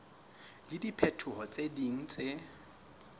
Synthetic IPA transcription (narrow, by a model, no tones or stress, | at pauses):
lɪdipʰetʰʊhɔt͡sʼediŋ̩t͡sʼe